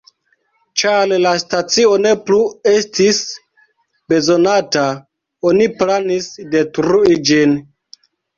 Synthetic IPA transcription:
t͡ʃallastat͡sio̞ne̞plue̞stis | be̞zo̞nata | oniplanisde̞tɾuid͡ʒin

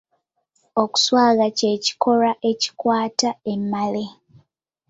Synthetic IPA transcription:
o̞ku̥swaːɡace̞ːci̥ko̞ɾaʔe̞ci̥kwaːtae̞mːale

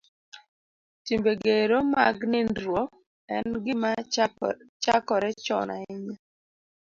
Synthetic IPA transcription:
timbeɡeɾoma̰ɡnɪndɾwɔ | ɛnɡɪma | t͡ʃakɔɾɛt͡ʃɔ̰na̰ɪɲa

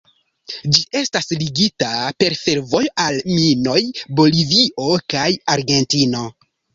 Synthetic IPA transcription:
d͡ʒiʔe̞stasliɡitape̞ɾfe̞ɾvo̞joʔalmino̞jbo̞liviʔo̞kajaɾɡe̞ntino̞

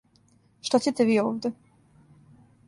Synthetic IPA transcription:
ʃt̪at͡ɕet̪ɛʋiːoːʋd̪ʲɛ

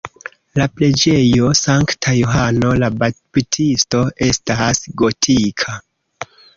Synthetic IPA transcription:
laple̞d͡ʒe̞jo̞saŋktʰajoɦano̞lababitʰisto̞ʔe̞stasɡo̞tʰikʰa

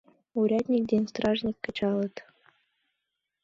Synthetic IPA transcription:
uɾʲɑt̪ʲnʲik̚d̪ʲenʲst̪rɑʐnʲikʲːɤ̆t͡ɕɑlˠɤ̆t̪

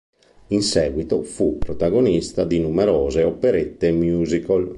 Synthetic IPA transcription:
insɛːɡwit̪ofupːɾot̪aɡonist̪ad̪inumɛɾɔːzeɔpeɾet̪ːemjuːzikol

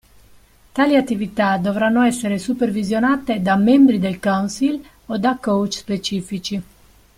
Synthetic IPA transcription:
t̪aːliat̪ːivit̪ad̪ovɾanːoɛsːeɾesupervizjonaːt̪ed̪amembɾid̪elkawnsil | od̪akːowt͡ʃspet͡ʃiːfit͡ʃi

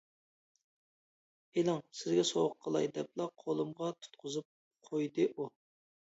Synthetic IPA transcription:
elˠɑŋsɪzɡʲɛsowʊqʰːəlˠɑ̰jd̪ɛp̚lˠɑqʰolˠɨmʁɑt̪ʰu̥t̪̚qʰʊzɨp̚ | qʰojd̪ɨʔu

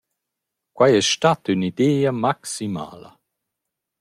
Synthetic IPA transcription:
kwajɛsʃtatynid̪eːamaksima̰ːlə̰

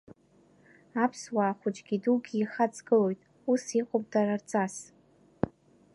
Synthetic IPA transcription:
apʰswaːχʷʊt͡ʃʼɡʲiduɡʲiːχat͡sʼɡɨlo̞jtʼ | usiqʼop̚ʼdarart͡sʼas

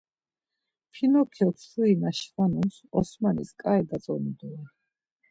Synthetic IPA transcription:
pʰinɔkʰɛt̪ʰuinaʃvanunsɔsmanḭskʼaɛd̪asʼɔnid̪ɔɛ

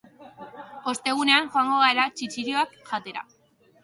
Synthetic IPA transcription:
o̞st̪e̞ɣ̞une̞aŋʝoaŋɡo̞ɣ̞aeɾat͡ʃit͡ʃiɾjo̞akʝat̪e̞ɾa̰

